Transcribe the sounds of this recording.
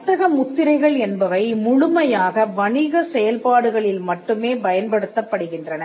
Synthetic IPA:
t̪ːɐɣɐmʊt̪ːɪɾɐɪɣɐɭɛnbɐʋɐɪmʊɻʊmɐjaːɣɐʋɐɳɪɣɐsɛjɐlpaːɽɯɣɐɭɪlmɐʈːɯmeːbɐjɐnpɐɽɯt̪ːɐpːɐɽɯɣɪndrɐnɐ

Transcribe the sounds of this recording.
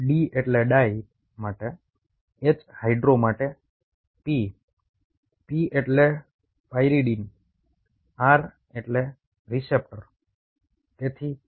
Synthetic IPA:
ɖieʈleɖaj | maʈe | et͡ʃhajɖɾomaʈe | pi | pieʈle | pajɾiɖin | aɾ | eʈle | ɾisep̚ʈəɾ | t̪et̪ʰi

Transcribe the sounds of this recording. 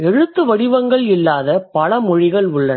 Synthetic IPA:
ɛɻɯt̪ːɯʋɐɽɪʋɐŋɡɐɭɪlːaːðɐpɐlɐmɔɻɪɣɐɭʊɭːɐ

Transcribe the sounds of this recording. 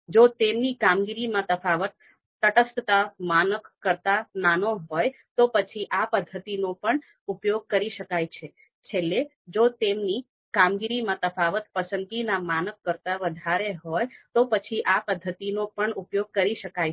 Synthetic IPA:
d͡ʒot̪emnikamɡiɾimãt̪əfʰaʋət̪̚ | t̪əʈəsət̪amanəkːəɾt̪ananoɦojt̪opət͡ʃʰiʔapəd̪ʱːət̪inopəɳ | upjoɡ̚kəɾiʃəkajt͡ʃʰe | t͡ʃʰelːe | d͡ʒot̪emni | kamɡiɾimãt̪əfʰaʋət̪̚pəsənt̪inamanəkːəɾt̪aʋəd̪ʱaɾeɦojt̪opət͡ʃʰiʔapəd̪ʱːət̪inopəɳupjoɡ̚kəɾiʃəkaj

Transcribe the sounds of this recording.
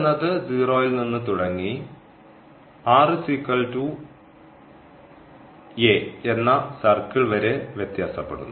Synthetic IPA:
nːɐðɨd͡ziːroːjilninːɨt̪uɽɐŋːi | aːrɨsikːɐɭtu | eenːɐsɐrkiɭʋɐɾe̞ʋjet̪jaːsɐpːeɽunːu

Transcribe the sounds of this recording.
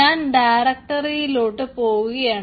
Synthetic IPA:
aːnɖajɾɐk̚ʈɐɾijloːʈːɨpoːɣuɣɐjaːɳ

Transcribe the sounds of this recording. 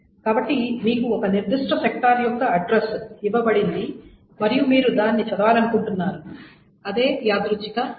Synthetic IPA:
kaːbɐʈːimiːkuɔkɐniɾd̪iʂʈɐsek̚ʈaːɾjɔkːɐɐɖɾesiʋɐbɐɽind̪i | mɐɾijumiːɾud̪aːnːit͡ʃɐd̪ɐʋaːlɐnukuɳʈunːaːɾu | ɐd̪eːjaːd̪ɾut͡ʃːika

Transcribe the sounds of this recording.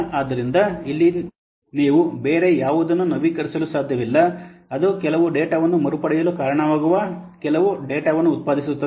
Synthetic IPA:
ʔaːd̪ɐɾind̪ɐilːi | niːʋubeːɾejaːʋud̪ɐnːunɐʋiːkɐɾisɐlusaːd̪ʱjɐʋilːɐɐd̪ukɛlɐʋuɖeːʈaːʋɐnːumɐɾupɐɽɛjɐlukaːɾɐɳɐʋaːɡuʋɐkɛlɐʋuɖeːʈaːʋɐnːuːt̪̚paːd̪ʱisut̪ːɐ

